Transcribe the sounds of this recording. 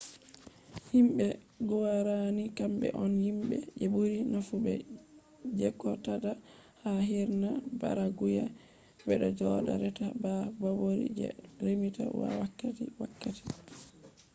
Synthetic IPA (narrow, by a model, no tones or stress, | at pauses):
himɓɛ | ɡɔwaɾanikambɛ̰ʔɔnhimbɛ̰d͡ʒebuɾinafubɛ | d͡ʒɛkːɔtada | haɦiɾnaba̰ɾaɡuja | bɛɗɔd͡ʒɔɗa̰ɾɛtababawoɾḭd͡ʒɛ̰ɾemita̰wa̰wakːatḭwakːati̥